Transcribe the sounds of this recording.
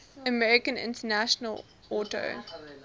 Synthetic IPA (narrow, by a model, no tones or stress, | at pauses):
əmɛɹɪkə̃nɪ̰̃ntənæʃənəl | ɔto̰ʊ